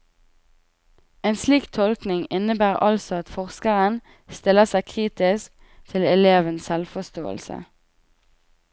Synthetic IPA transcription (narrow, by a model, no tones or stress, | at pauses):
eːnsliːkt̪ʰɔlknɪŋɪnəbæːʁɑ̰lsɔɑt̪fɔʁskəʁən | st̪ɪləsæɪkʰʁiːt̪ɪsk̚ | t̪ʰɪlɛleːʋənssɛlfɔst̪o̰ːə̰lsə̰